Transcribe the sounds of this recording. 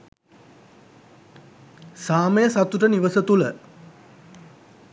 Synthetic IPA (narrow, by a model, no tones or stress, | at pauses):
saːməjəsat̪uʈəniʋəsət̪ulə